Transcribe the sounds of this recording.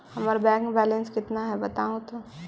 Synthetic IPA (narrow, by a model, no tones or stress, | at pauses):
hɐmaɾbɛ̃ːŋkbɛːlẽnskɪt̪naɦɛbɐt̪aːũt̪o